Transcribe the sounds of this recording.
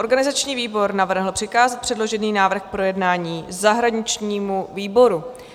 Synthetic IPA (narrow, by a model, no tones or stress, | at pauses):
ʔo̞ɾɡanɪzat͡ʃɲiːviːbo̞ɾnavr̩ɦl̩ˠpr̥ɪkaːzɛt̪̚pr̥ɛdlo̞ʒɛniːnaːvr̩xk̚pɾo̞jɛdnaːɲiːzaɦɾaɲɪt͡ʃɲiːmuviːbo̞ɾu